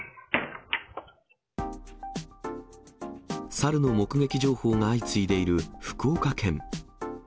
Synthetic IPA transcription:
saɾɯ̟no̞mo̞kɯ̟ɡe̞kʲiʑo̞ːho̞ːŋaːit͡sɨid̪e̞iɾɯ̟ɸɯ̥ko̞ːkakʰẽ̞ŋ

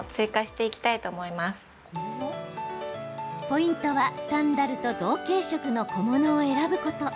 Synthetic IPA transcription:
t͡sɨːkaɕi̥t̪e̞ikʲi̥t̪ait̪oːmo̞imasɨ̥ | po̞ĩnt̪o̞βast̪ãnd̪aɾɯ̟t̪o̞d̪o̞ːke̞ːɕo̞kɯ̟no̞ko̞mo̞no̞ːe̞ɾabɯ̟ko̞t̪o̞

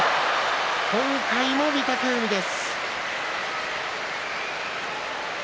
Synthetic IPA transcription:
kʰõ̞ŋkaimo̞mʲit̪ak̪ɯːɲʲid̪e̞sɨ̥

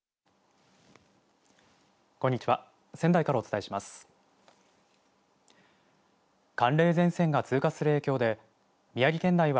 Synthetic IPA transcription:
ko̞ɲːit͡ɕiβa | sẽ̞nd̪aikaɾao̞t͡sɨ̥t̪ae̞ɕimasɨ̥ | kãnɾe̞ːzẽ̞ɰ̃sẽ̞ŋɡat͡sɨːkasɨɾɯ̟eːkʲo̞ːd̪e̞ | mʲijaɡʲikẽ̞nd̪aiβa

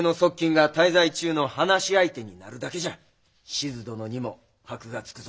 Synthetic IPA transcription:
no̞so̞kʲːĩŋɡat̪aizait͡ɕɨːno̞hanaɕiait̪e̞ɲ̟inaɾɯ̟d̪ake̞ʑa | ɕizɨd̪o̞no̞ɲ̟imo̞ | hakɯ̟ɡat͡sɨ̥kɯz

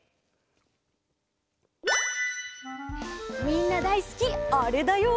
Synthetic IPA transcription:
miːnəd̪æɪskiæːɖeːd̪ɑju

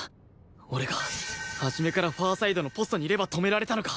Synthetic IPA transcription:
o̞ɾe̞ɡahaʑime̞kaɾaɸaːsaid̪o̞no̞po̞sɨ̥t̪o̞ɲ̟iːɾe̞bat̪o̞me̞ɾaɾe̞t̪anokḁ

